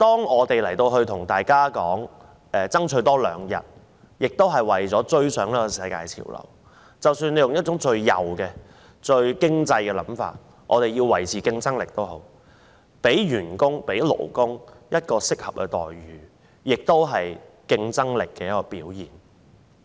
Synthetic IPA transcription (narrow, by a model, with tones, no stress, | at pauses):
t̪ɔː˥ŋɔː˨˧t̪e˨jlɐ˨˩jt̪o˧wɦɵ˧ɥt̪ʰʊ˨˩ŋt̪aː˨˩jkaː˥kɔː˨˥ŋ | ɛː˨˩t͡sɐ˥ŋt͡ʃʰɵ˨˧˥t̪ɔː˥lœ̰ː˨˧ŋjɐ̰˨t̚ | jɪ˨k̚t̪o˥wɦɐ˨˩jwɐ˨˩jt͡sɔː˨˥t͡ʃɵ˧ɥsœː˨˥ŋliː˥kɔ˧˩sɐ˧jka̰ː˧jt͡sʰḭː˨˩wlɐ̰˨˩w | t͡sɐ˨wsyː˧nle˨˧jʊ˨ŋjɐ˥t̚t͡ʃʊ˨˥ŋt͡ʃɵ˧ɥjɐ̰˨˩wkɛː˧ | t͡ʃɵ˧ɥkɪ˥ŋt͡sɐ˧jkɛ˧lɐ̰˨˥mfa̰ː˧t̚ | ʔɔː˨˧t̪e˨jiː˧wɐ˨˩jt͡sʰiː˨kɪ˧ŋt͡sɐ˥ŋlɪ˨k̚t̪o˥wɦo̰˨˥w | pe˨˥jɥyː˨˩nkʊ˥ŋpe˨˥jlo̰˨˩wkʊ˥ŋjɐ˥t̚kɔː˧sɪ˥k̚hɐ˨p̚kɛ˧t̪ɔ̰ː˨jɥyː˨˦ | jɪ˨k̚t̪o˥wɦɐ˨jkɪ˧ŋt͡sɐ˥ŋlɪ˨kːɛː˧jɐ˥kɔː˧piː˨˥wjiː˨˩n